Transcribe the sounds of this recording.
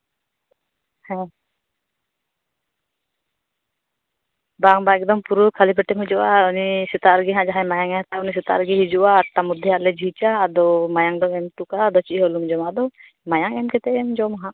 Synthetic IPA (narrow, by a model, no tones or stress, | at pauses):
hɛ̃ | baŋbaɛk̚d̪ɔmpuɾukʰalipɛʈɛmɦud͡ʒɔʔaunisɛt̪aɾɡɛɦãd͡ʒaɦãmajaŋɛt̪aunis̬ɛt̪a̰ʔɾɡiɦid͡ʒɔʔaːʈːamud̪ʱːiɦaʔlɛd͡ʒit͡ʃaːd̪ɔmajaŋd̪ɔɛmt̪ukaʔd̪ɔt͡ʃiʔɦɔlumd͡ʒɔmad̪ɔ | majaŋɛmkɛt̪ɛɛmd͡ʒɔmaɦãʔ